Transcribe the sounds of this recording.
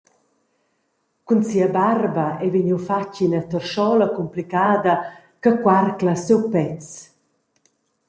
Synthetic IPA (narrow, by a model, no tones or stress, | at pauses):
kunsiɐbarbaɛviɲiwfacinɐt̪ərʃɔlɐkumplikaːd̪ɐ | kakwarklasɛwpɛt͡s